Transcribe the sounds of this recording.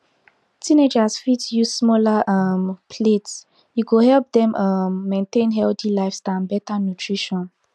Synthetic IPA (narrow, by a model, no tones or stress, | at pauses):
tʰĩned͡ʒasfitjusmɔlaʔʌmpʰlets | juɡohɛlp̚dɛ̃mʔʌmːẽntẽnɦɛltilaɪfstãnbɛtanutʰɹiʃɔ̃n